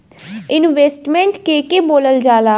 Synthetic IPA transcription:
ɪnʋeːsʈmẽɳʈkeːkeboːləld͡ʒaːlaː

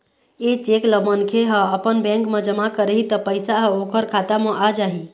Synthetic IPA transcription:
et͡ʃekləbənkʰeɦə̃əpənbɛ̃ŋkmẽd͡ʒəmakəɾəɦit̪əpəjsaɦokʰəɾkʰat̪amə̃ʔad͡ʒaɦi

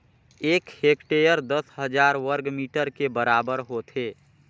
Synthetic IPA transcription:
ekhekʈejəɾd̪əsɦəd͡ʒaɾwəɾɡmiʈəɾkebəɾabəɾɦot̪ʰe

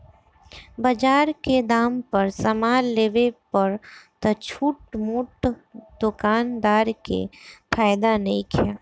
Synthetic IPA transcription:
bɐd͡ʒaːɾked̪aːmpəɾsɐmaːlːeːʋepɐɾt̪ɐt͡ʃʰuːʈmuːʈd̪̥ʊkaːnd̪aːɾkḛfʰaːjd̪anɐɦĩkʰijaː

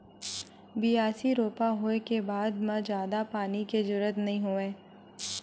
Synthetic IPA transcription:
bijaːsiɾoːpaɦoːekebaːd̪mɐd͡ʒjaːd̪apaːniked͡ʒʊɾət̪nɐɦĩɦoːẽː

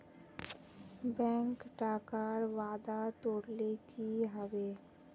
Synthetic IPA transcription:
bɛ̃ŋkʈakaɾwaːd̪at̪oɽlekiɦɔbe

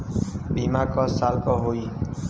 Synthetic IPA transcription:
bʱimakɔsalkɔɦoj

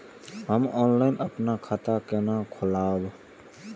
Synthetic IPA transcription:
ɦəmɔːnlaːɪnʔəpnakʰat̪akenãkʰʊlaːb

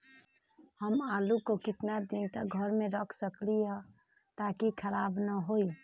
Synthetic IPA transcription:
həmaːlukokɪt̪nad̪int̪əɡʱəɾmẽɾəkʰsəkliɦɛ | t̪aːkikʰəɾaːbnəɦoi

